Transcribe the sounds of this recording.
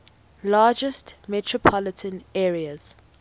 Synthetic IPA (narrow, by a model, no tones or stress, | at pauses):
laːd͡ʒəstmɛtʰɹɔpʰɔlɪtʰə̃nɛːɹiəz̥